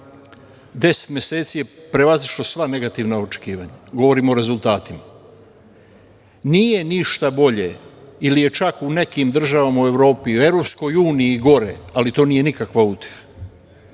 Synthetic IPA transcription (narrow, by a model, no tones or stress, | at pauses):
d̪e̞se̥t̪mʲje̞se̞ːt̪sije̞pɾe̞ʋaziʃlosʋane̞ɡat̪iʋnao̞t͡ʃe̞̥kiːʋaɲaɡo̞ʋo̞ɾimoɾe̞zulˠt̪aːt̪ima | nije̞niʃt̪abo̞ʎe̞̰ilije̞t͡ʃakune̞kimd̪r̩ʒaʋamaue̞ʋɾo̞ːpioe̞ʋɾo̞psko̞juːniiːɡo̞ɾe̞alit̪o̞ːniːje̞nikakʋaut̪je̥xḁ